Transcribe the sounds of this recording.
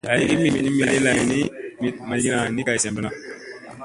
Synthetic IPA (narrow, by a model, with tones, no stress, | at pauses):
ja˨ji˦ki˦mi˨mi˨ni˦mi˨le˦la˨ji˨ni˦mi˨ma˨˦ɡi˦na˨ni˦ka˨i˨se˨mbə˦na˨